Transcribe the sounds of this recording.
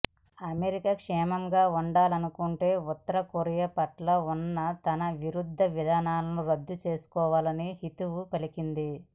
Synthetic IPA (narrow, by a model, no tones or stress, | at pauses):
ɐmeɾikɐkʂɛːmɐmɡaːuɳɖaːlɐnukuɳʈe̞ːut̪ːɐɾɐkoɾijɐpɐʈlɐunːɐt̪ɐnɐʋiɾud̪ʱːɐʋid̪ʱaːnaːlloɾɐd̪ːut͡ʃe̞ːsu̥kɔːʋaːlɐnihit̪uʋupɐlikind̪i